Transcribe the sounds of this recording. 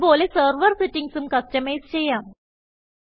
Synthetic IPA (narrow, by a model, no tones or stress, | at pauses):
poːlesɐːɾʋɐɾsiʈːiŋɡsumkɐsʈɐmejst͡ɕejːaːm